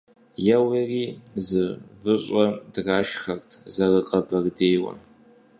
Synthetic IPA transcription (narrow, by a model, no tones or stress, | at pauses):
jawirizɨvɨɕʷʼadraːʃχartʰʼzarɨqʼabardejwa̰